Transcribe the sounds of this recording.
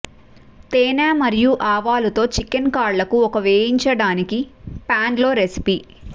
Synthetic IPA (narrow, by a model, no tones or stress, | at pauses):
t̪eːnaːmɐɾijuʔaːʋaːlut̪o̞ːt͡ʃikːenkaːɾlɐkuɔkɐʋeːjiɲt͡ʃɐɽaːnikipaːɳɖlo̞ːɾe̞si̥pi